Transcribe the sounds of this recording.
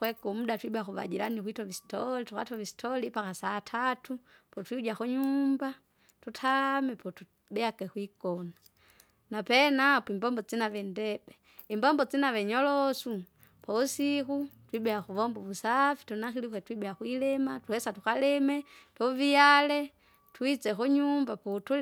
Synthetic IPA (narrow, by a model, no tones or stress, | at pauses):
kwɛkumuɗatwibɛaxuva̰d͡ʒilanikwitɔvisi̥tɔlituka̰tɔvisi̥tʰɔlipakasatʰatupɔtwiud͡ʒaxuɲumba | tutʰamɛpɔtu | bɛakɛxwikɔna | napɛnapimbɔmbɔt͡sinavɛndɛbɛ | imbɔmbɔt͡sinaʋɛɲɔlɔsu | pɔusixutwibɛaxuʋɔmbɔʋusafi̥tunaxilixwɛtwiɓɛaxwilɛmatuhɛsatuxalɛmɛtɔvialɛ | twit͡sɛxuɲumbapɔtu